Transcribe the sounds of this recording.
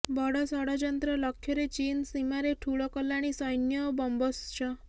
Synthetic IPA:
bɔɽɔsɔɽɔd͡ʒɔnt̪ɾɔlɔkʰːjɔɾet͡ʃinsimaɾeʈʰuɭɔkɔlːaɽ̃isɔjnjɔbɔmbɔst͡ʃʰɔ

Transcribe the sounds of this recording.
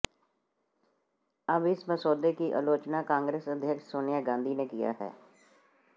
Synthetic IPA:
əbɪsməsoːd̪eːkiʔə̰loːt͡ʃnaːkãːŋɡɾeːsəd̪ʱjəkʃsoːnɪjaːɡãːnd̪ʱiːneːkɪja̰ːɦɛ̰ː

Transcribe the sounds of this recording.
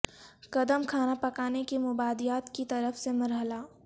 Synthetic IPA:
kɐd̪əmkʰaːnapɐkaːnekemʊbaːd̪ijaːt̪kit̪ɐɾəfsemɐɾɦəla

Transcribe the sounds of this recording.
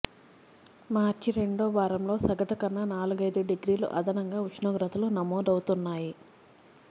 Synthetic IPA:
maːɾt͡ʃiɾe̞ɳɖoːʋaːɾɐmlo̞ːsɐɡɐʈɐkɐnːɐnaːluɡɐjd̪uɖeɡɾiːlṵʔɐ̰d̪ɐnɐŋɡaːut͡ʃnoːɡɾɐt̪ɐlunɐmɔːd̪ɐwut̪unːaːji

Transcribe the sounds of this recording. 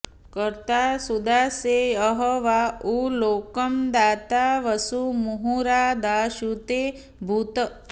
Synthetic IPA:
kəɾt̪aːsud̪ʱaːseəɦɔʋauloːkɐmd̪aːt̪aʋɐsumuɦuɾaːd̪aːʃut̪eː | bʱut̪ə

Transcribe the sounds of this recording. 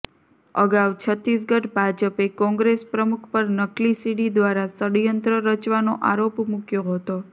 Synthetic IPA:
ə̰ɡawt͡ʃʰət̪ɾis̬ɡəʈbʱad͡ʒəpekɔ̃ŋɡɾespɾəmukʰpəɾnəklisiɽid̪ʋaɾasəɽjənt̪ɾəɾət͡ʃʋanoʔaɾopmukjoɦət̪o

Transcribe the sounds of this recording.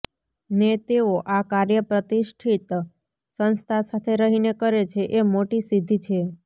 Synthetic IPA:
net̪eoʔakaɾjəpɾət̪iʃʈʰit̪ | sənst̪ʰasat̪ʰeɾəɦinekəɾet͡ʃʰeʔemoʈisid̪ʱːit͡ʃʰe

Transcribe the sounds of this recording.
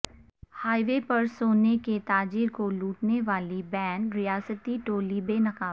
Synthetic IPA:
haːɪʋepɐɾsoːneket̪aːd͡ʒiːɾkoluːʈneʋaːlibɛ̃ːɳɖɾɪjaːsət̪iʈoːlibeːnɐqaː

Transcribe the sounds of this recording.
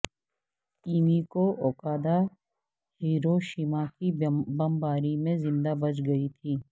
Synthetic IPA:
kiːmikoʔɔːkaːd̪a | hiːɾoʃiːmakibɐmbaːɾimẽzɪ̃nd̪abɐt͡ʃɡɐit̪ʰiː

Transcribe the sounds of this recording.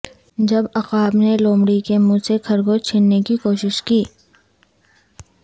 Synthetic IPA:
d͡ʒɐbɐqaːbneloːmɽikemũːsekʰɐɾɡot͡ʃʰɪnnekikoːʃɪʃkiː

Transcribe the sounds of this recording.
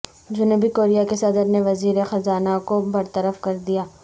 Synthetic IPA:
d͡ʒʊnuːbikoːɾijakesɐd̪əɾneʋɐziːɾexɐzaːnakobɐɾt̪əɾəfkɐɾd̪ijaː

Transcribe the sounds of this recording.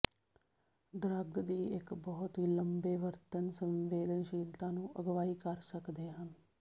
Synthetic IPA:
d̪ɾəɡd̪iːɪkbɔːt̪ɦiːləmbeːʋəɾt̪ənsə̃mʋeːd̪ənʃiːlt̪ãːnũːʔəɡʋaːiːkəɾsəkd̪eːɦən

